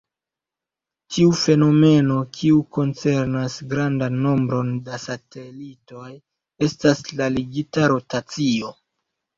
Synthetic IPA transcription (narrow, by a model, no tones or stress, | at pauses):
tiufe̞no̞me̞no̞kʰiuko̞nt͡se̞ɾnasɡɾandanːo̞mbɾo̞ndasate̞lito̞j | e̞staslaliɡitaɾo̞tat͡sio̞